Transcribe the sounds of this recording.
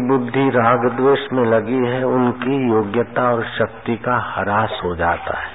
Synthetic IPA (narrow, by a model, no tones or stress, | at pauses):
bʊd̪ʱːiɾaːɡd̪ʋeːʃmẽlɐɡiɦɛʊnkijoːɡjət̪aɔːɾʃɐk̚t̪ikahɐɾaːsɦod͡ʒa̰ːt̪a̰ɦɛː